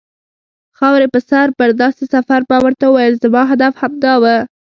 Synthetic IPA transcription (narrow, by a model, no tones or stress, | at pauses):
xɑwɾepəsaɾpəɾd̪ɑsesafaɾpɑwəɾt̪aəwajəlzamɑɦad̪afhamd̪ɑwə